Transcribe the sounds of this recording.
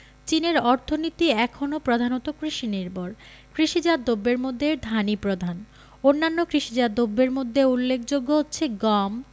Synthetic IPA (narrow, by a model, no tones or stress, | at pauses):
t͡ɕineɾɔɾt̪ʰonit̪iɛkʰonopɾod̪ʱanot̪okɾiʃiniɾboɾ | kɾiʃid͡ʑad̪obːeɾmod̪ʱːeɾd̪ʱanipɾod̪ʱan | onːanːokɾiʃid͡ʑad̪obːeɾmod̪ʱːeulːek̚ʰd͡ʑoɡːoɦotːɕʰeɡɔm